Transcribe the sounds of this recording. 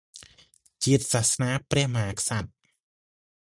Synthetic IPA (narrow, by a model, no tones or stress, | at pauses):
t͡ɕiət̪̚sahsnaːprɛ̆əhməhaːkʰsat̪̚